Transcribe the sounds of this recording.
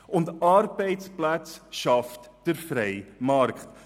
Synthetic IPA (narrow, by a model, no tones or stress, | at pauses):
ʊndɑɾbɛɪtsplæt͡sʃɑftd̥əɾfɾɛɪmɑɾkχt